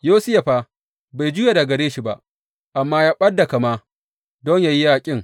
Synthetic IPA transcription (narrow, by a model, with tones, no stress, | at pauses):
joː˦sɪ˦ja˨ɸaː˦ | ba˨jd͡ʒʊ˦ja˨da˨ɡɐ˨ɾeː˦ʃi˦ba̰˦ʔ | ʔa˨mːaː˦jaː˦ɓɐ˦dːa˨ka˨maː˦ | dɔ˦ɲja˦˨ji˦jaː˦˨kʲʼɪ˦ŋ